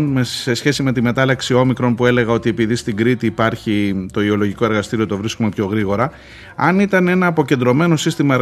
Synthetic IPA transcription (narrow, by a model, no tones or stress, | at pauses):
nmese̞sçe̞sime̞t̪ime̞t̪ɐlɐksio̞mikɾo̞npue̞le̞ɣɐo̞t̪iepiðist̪iɡɾit̪iːpɐɾçit̪o̞io̞lo̞ʝiko̞eɾɣɐst̪iɾio̞t̪o̞vɾiskume̞pço̞ɣɾiɣo̞ɾɐ | ɐnit̪ɐne̞nɐːpo̞ce̞nd̪ɾo̞me̞no̞sist̪imɐ